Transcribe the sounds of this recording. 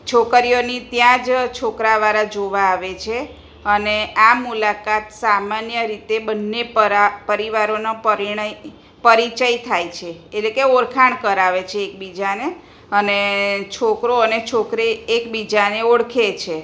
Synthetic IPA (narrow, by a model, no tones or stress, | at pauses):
t͡ʃʰokɾijonit̪jãd͡ʒt͡ʃʰokɾaʋaɾad͡ʒoʋaːʋet͡ʃʰe | əneamulakat̪samanjəɾit̪ebənːepɾapəɾiʋaɾonapəɾiɳ | pəɾit͡ʃəit̪ʰajt͡ʃʰeːtlekeoɾkʰaɳ̃kəɾaʋet͡ʃʰeːk̚bid͡ʒane | ənet͡ʃʰokɾoənet͡ʃʰokɾeːkbid͡ʒaneoɽkʰet͡ʃʰe